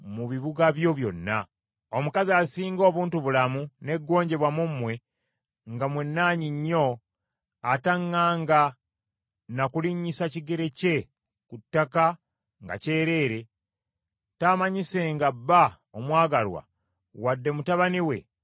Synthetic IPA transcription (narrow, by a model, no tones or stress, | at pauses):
muβiβuɡaβjo̞βjo̞̰nːa̰ | o̞mukaziasiːŋɡo̞ːβuːntuβulamune̞ɡːo̞ːɲɟe̞βwamumːwe̞ | ŋɡamwenːaːɲiɲːo̞ | ataŋːaːŋɡa | nakuliɲːisaciɡe̞ɾe̞ce̞ | kutːaka | ŋɡa̰ce̞ːɾe̞ːɾe̞ | tamaɲise̞ːŋɡabːa | omwaːɡalwa̰ | wadːe̞mutaβaniwe̞̰